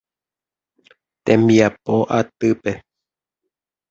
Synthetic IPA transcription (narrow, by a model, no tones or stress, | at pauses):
t̪ẽ̞mbiapoʔat̪ɨpe̞